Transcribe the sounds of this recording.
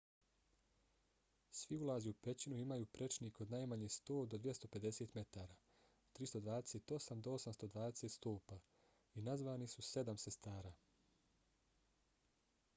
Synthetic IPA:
sʋiulaːziupe̞t͡ɕinuimajuːpɾe̞t͡ʃniko̞d̪naːjmaɲest̪oːd̪o̞d̪ʋje̞st̪o̞pe̞d̪e̞seːt̪me̞t̪aːɾaː | t̪ɾist̪o̞d̪ʋaːd̪eseːt̪o̞samd̪oo̞samst̪o̞d̪ʋaːd̪e̞seːt̪st̪oːpa | inazʋaːnisuse̞d̪amse̞st̪aːɾaː

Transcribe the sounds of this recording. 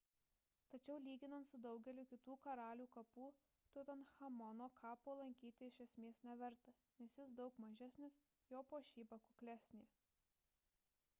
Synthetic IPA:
t̪ɐt͡ʃʲɛʊlʲiːɡʲɪnɐnt̪sʊd̪ɒʊɡʲɛlʲʊkʲɪt̪uːkɐɾɑːlʲuːkɐpuː | t̪ʊt̪ʲɐnxɐmɔnoːkʰɑːpoːlˠɐŋʲkʲiːt̪ʲɪɪʃʲɛsʲmʲeɛsʲnʲɛʋʲɛɾt̪ɐ | nʲɛsjɪsd̪ɒʊkmɐʒʲæsʲnʲɪs | joːpoːʃʲiːbɐkʊklʲæsʲnʲeː

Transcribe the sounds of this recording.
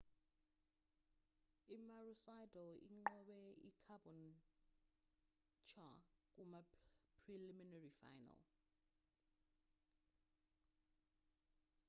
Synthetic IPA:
imarusajdʱɔḭŋ͡ǃɔɓɛikʰabɔn | t͡ʃʰak̬ʼumapʰriliminarifa̰jna̰l

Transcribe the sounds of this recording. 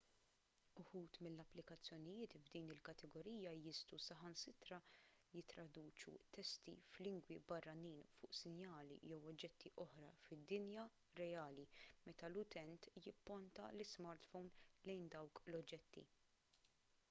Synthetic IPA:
ʊħuːt̪mɪlːɐpːlɪkɐt͡sːjɔnɪjɪːt̪vd̪iːnɪlkɐt̪ɛɡɔɾiːjɐjɪst̪usɐħɐnsɪt̪ɾɐjɪt̪ːɾɐd̪uːt͡ʃṵt̪ɛst̪ḭflɪŋɡwibɐrːɐniːnfʊ̰ːʔsɪnjɐːlḭjɛwɔd͡ʒːɛt̪ːiʔɔħɾɐ̰fɪd̪ːɪnjɐ | ɾɛjɐːlimɛt̪ɐlʊt̪ɛnt̪jɪpːɔnt̪ɐ̰lɪsmɐɾt̪fɔwnlɛjnd̪ɐwklɔd͡ʒːɛt̪ːḭ

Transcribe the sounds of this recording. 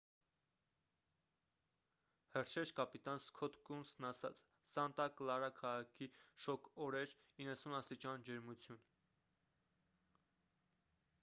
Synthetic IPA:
həɾʃʰɛʃkɑpit̪ɑnskʰɔt̪kunsnɑsɑ̰t͡sʰ | sɑnt̪ɑklɑɾɑkʰɑʁɑkʰiʃɔkʰɔɾɛɾinːəsunɑst̪it͡ʃɑnd͡ʒɛɾmut͡sʰjun

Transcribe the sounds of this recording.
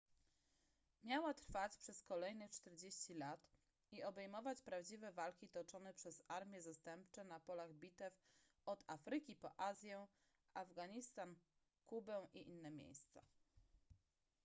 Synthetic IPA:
mʲjawat̪ɾfat͡ɕpʂɛskɔlɛjnɛt͡ʂt̪ɛɾd͡ʑeɕt͡ɕilat̪ | iɔbɛjmɔvat͡ɕpɾavd͡ʑivɛvalkʲit̪ɔt͡ʂɔnɛpʂɛzaɾmʲjɛzast̪ɛmpt͡ʂɛnapɔlaɣbʲit̪ɛf | ɔd̪afɾɘkʲipɔʔazʲjɛ̃ | ʔavɡaɲist̪an | kubɛwʔiʔinːɛmʲjḛjst̪sa̰

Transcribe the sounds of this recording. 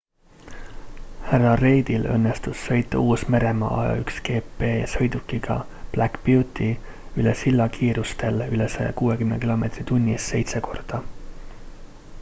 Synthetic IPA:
hærːɑre̞jd̪̥ilɤ̞̰nːest̪ussɤ̞jt̪ːˑɑuːsme̞ɾe̞mɑ̰ʔɑ̰jɑ̰ykske̞ːpːe̞ːsɤ̞jd̪̥ukːiɡ̥ɑ̰ | b̥lækput̪ːˑi | ylesilːɑkʰiːɾust̪e̞lylesḛkuːekymnekilo̞me̞t̪rit̪unʲːisːe̞̰jt̪seko̞̰rd̪̥ɑ

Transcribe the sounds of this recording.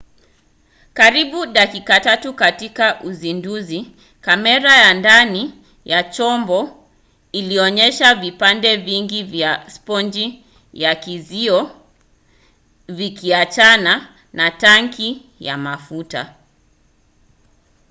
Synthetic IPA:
kaɾiɓuɗakikatatukatikaʔuzinduzi | kamɛɾajandani | jat͡ʃɔmbɔ | iliɔɲɛʃavipandɛviŋɡivjaspɔnd͡ʒi | jakiziɔ | vikʰiat͡ʃana | nataŋkʰi | ja̰mafuta̰

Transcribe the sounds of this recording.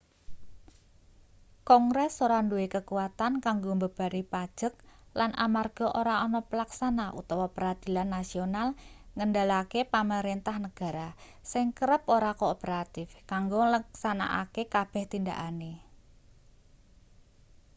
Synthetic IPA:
kɔŋɡɾɛsoɾanduwekəkuwat̪ankaŋɡombəb̥a̤ɾipad̥ʒ̥ək̚lanʔa̰marɡ̥ɔʔoɾaɔnɔpəlaksanaʔṵt̪ɔwɔpəɾad̪̥i̤lanːasionalŋəndalakepaməɾent̪ahnəɡ̥a̤ɾa | sɪŋkəɾəpoɾakoːpəɾat̪ɪfkaŋɡoləksana̰ʔa̰kekab̥ɛ̤ht̪ind̪a̰ʔane

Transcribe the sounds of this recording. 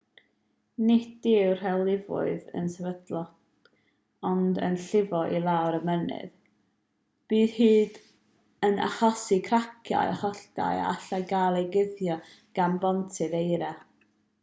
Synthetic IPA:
nɪdɪwr̥hɛlˠɪvʊ̰ɨðə̰nsɛvədlˠɔ | ɔndə̰nɬɪvɔʔilˠawɾəmənɨ̰ð | b̥iːð̥hiːd | əna̰χɔsikʰrakʰja̰jaχɔɬd̥a̰ja̰aɬaɡaːlˠejɡɪðjɔ | ɡ̥ambɔntʰɨðejɾa

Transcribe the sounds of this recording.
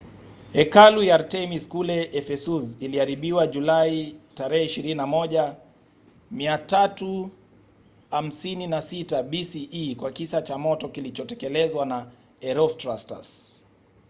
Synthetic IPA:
ɛkalujaaɾtɛmiskulɛɛfɛsuziliaɾiɓiwaʄulaitaɾɛhɛiʃiɾininamɔʄa | miatatu | ham̩sininasitaɓisiːkwakisat͡ʃamɔtɔkilit͡ʃɔtɛkɛlɛzwana | ɛɾɔstɾasta̰s

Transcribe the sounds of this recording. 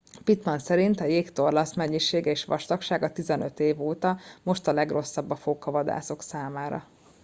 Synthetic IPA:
pit̪mɒnsɛɾint̪ɒjeːkt̪orlɒsmɛɲːiʃeːɡɛeːʃʋɒ̰ʃt̪ɒkʃaːɡɒt̪izɛnøt̪eːvoːt̪ɒmo̞ʃt̪ɒlɛɡro̞sːɒbːɒfoːkɒvɒd̪a̰ːso̞ksaːmaːɾɒ̰

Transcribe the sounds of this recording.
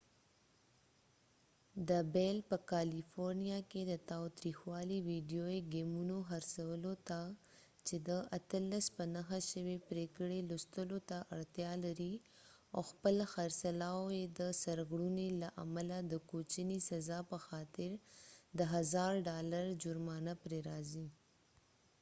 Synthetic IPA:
d̪əbelpəkalifoɾnijaked̪ət̪awt̪ɾixwɑliwiɖijoeɡemunoxaɾsawəlot̪a | t͡ʃed̪əʔat̪əlːaspənaxaʃəwepɾekəɽelʊst̪əlot̪aʔaɽt̪jɑlaɾi | o̰xpəlxaɾsalaojed̪əsaɾɣɽunelaʔa̰malad̪əkot͡ʃənisazɑpəxɑt̪ɪɾd̪əɦazɑɾɖɑlaɾd͡ʒʊɾmɑnapɾeɾɑzi

